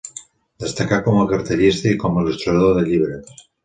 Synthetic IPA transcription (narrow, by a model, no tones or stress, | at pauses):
d̪est̪akakomokaɾt̪eʎist̪eikomoilust̪ɾuaðoðeʎiβɾe